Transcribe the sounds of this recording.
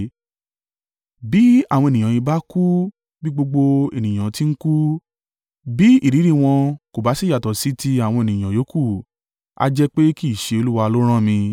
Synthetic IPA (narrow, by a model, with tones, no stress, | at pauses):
bi˨˦a˦˨w̃ɔ̃˧e˨nĩ˨ã˨i˧ba˦ku˦ | bi˦ɡ͡bo˧ɡ͡bo˧e˨nĩ˨j̃ã˨ti˦n̩˦ku˦ | bi˨˦i˦˨ɾi˨˦ɾi˦˨w̃ɔ̃˧ko˨ba˨˦si˦˨ja˨tɔ˨si˨˦ti˧a˨w̃ɔ̃˧e˨nĩ˨j̃ã˨jo˨˦ku˦˨ | a̰˧d͡ʒɛ˦k͡pe˦ki˦˨ʃe˧o˧lu˦wa˧lo˦ɾ̃ã˦˨mĩ˧